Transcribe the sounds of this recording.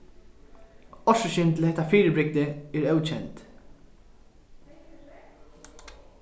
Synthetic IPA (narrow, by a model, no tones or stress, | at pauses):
ɔʃʊʃɪnt̪lɛt̪ɐfiːɾbɾɪɡ̚d̪ɛɪɾɛwt͡ʃɛnt̪